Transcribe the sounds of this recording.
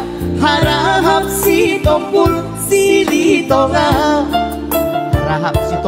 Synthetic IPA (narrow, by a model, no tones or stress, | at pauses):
haɾaɦaɦap̚sit̪ɔŋkulu | silit̪ɔŋa | haɾaɦap̚sit̪